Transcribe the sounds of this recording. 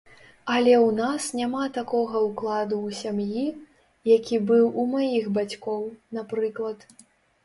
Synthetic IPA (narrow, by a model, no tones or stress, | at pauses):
ɐlʲɛwnasnʲamat̪akɔɣɐuklˠad̪uːsʲamji | jakʲibɨwumajixbat͡sʲkɔwnapɾɨklˠɐt̪